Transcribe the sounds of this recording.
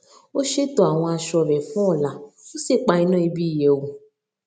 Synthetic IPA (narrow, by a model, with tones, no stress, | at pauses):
o˦ʃe˦tɔ˧a˨w̃ɔ̃˧a˧ʃɔ˧˨ɾɛ˨fɔ̃˦ɔ˦˨la˨o˦se˦˨k͡pa˧ĩ˧˦nã˦i˧bi˦i˦˨je˨wu˧